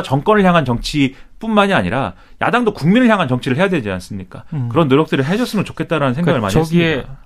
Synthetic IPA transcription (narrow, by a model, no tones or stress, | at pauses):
t͡ɕʌŋk͈ʌnɯɭçjaŋɦant͡ɕʌŋt͡ɕʰip͈unmaɲiaɲḭɾa̰ | jʔa̰daŋdokuŋminɯɭçjaŋɦant͡ɕʌŋt͡ɕʰiɾɯɭɦe̞jadwe̞d͡ʑia̰ns͈ɯmɲik͈akɯɾʌnːoɾjʌk̚t͈ɯɾɯɭɦed͡ʑʌs͈ɯmɯnt͡ɕo̥kʰe̞t̚t͈aɾanɯnsʰeŋaɡɯɭma̰iesɯiiea